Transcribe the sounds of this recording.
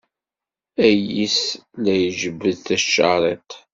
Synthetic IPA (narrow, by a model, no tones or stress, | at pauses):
æjislæjʒəvːəðθæʃːɑɾˤet̪